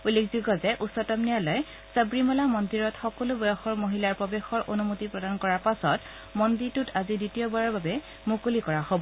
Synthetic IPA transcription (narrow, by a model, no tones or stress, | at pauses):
ulːekʰzuɡɔzɛʔusɔtɔmnijalɔj | sabɹimɔlamɔndiɹɔtxɔkɔlubɔjɔxɔɹmoɦilaɹpɔbexɔɹʔonumotipɹɔdankɔɹaɹpasɔt | mɔndiɹtutaziditiobaɹɔɹbabɛ | mukulikɔɹahobɔ